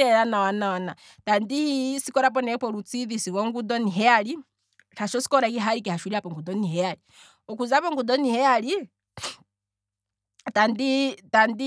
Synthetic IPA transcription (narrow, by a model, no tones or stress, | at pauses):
ɛɾanawanawana | tandihisikɔɾap̬ɔnɛpɔɾut͡siðisiwɔŋɡudɔniɦɛali | ɾaʃɔsi̥kɔɾaikiɦaɾikɛhaʃuɾiapɔŋɡudɔniɦɛali | ɔkuzapɔŋɡudɔnihɛali | tanditandi